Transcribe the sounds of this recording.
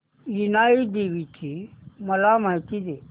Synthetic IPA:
jinaːid̪eːʋit̪ʰimɐlamat̪id̪e

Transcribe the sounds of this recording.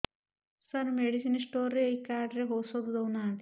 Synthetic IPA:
sɐnmeɽisinsʈoːɾeikaːɾɖɾeɦosod̪ud̪ɐwnaːnt̪

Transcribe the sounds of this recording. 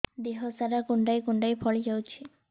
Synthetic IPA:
d̪iɦɔsaɾakuɳɖajkuɳɖajpʰɔɭid͡ʒawt͡ʃʰi

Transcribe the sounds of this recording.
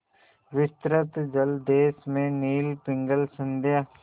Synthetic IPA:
ʋɪst̪ɾət̪d͡ʒəld̪eːsmẽniːlpɪ̃ŋɡəlsə̃nd̪eː

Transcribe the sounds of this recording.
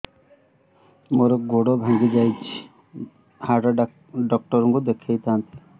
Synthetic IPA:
moɾɔɡoɽɔbʱãŋɡid͡ʒajt͡ʃʰi̥ | haʈa | ɖɔk̚ʈɔɾɔŋkud̪ekʰejt̪ant̪ʰi̥

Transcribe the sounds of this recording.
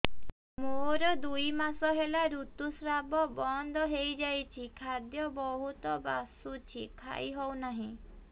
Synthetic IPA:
moɾɔd̪ujmasɔɦelaɾut̪usɾabɔbɔnd̪ʱɔɦejd͡ʒajt͡ʃʰikʰad̪jɔbɔɦut̪ɔbasut͡ʃʰikʰa̰jɦɔwnaɦĩ

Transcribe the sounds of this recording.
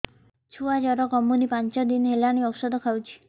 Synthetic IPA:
t͡ʃʰuad͡ʒaɾɔkɔmunipant͡ʃɔd̪inɦelaɽ̃iɔksɔd̪ɔkʰawt͡ʃʰi̥

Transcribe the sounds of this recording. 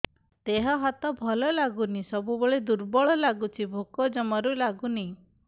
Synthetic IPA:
t̪eɦɔɦat̪ɔbʱɔlɔlaɡunisɔbuboɭed̪uɾbɔɭɔlaɡut͡ʃʰibʱokɔd͡ʒɔmɔɾulaɡuni

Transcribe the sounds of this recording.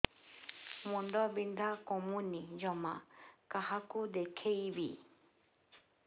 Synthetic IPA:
mũnd̪ɔbind̪akɔmũnid͡ʒɔmã̰kahakud̪ekʰeibi

